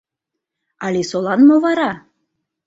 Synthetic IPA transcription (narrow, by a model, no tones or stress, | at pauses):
ɑlʲesolˠɑnmovɑɾɑ